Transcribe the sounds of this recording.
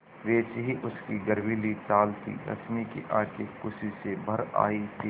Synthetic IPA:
ʋeːt͡ʃɦiʔʊskiɡɐɾʋilit̪aːlt̪ʰḭɾɐ̰smikḛʔaːkekʊsisebʱɐɾa̰ːit̪ʰiː

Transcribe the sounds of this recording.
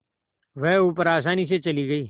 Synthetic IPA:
ʋɛɦuːpəɾaːs̬aːniset͡ʃɐliɡɐiː

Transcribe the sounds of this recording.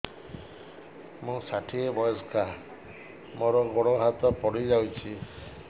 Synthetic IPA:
mũsaʈʰiebɔjɔskʰa | mɔɾɔɡɔɽ̃oɦat̪ɔpɔɽid͡ʒawt͡ʃʰi

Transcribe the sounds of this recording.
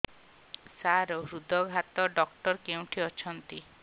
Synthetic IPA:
saɾoɦɾud̪ɔɡʱɦat̪ɔɖɔk̚ʈɔɾkew̃ʈʰiɔt͡ʃʰɔnt̪i

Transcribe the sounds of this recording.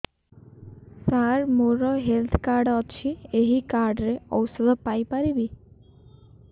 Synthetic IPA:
saɾmoɾɔɦelt̪ʰkaɾɖɔt͡ʃʰieɦikaɾɖɾeɔ̰wsɔd̪ʱɔpajpaɾibi

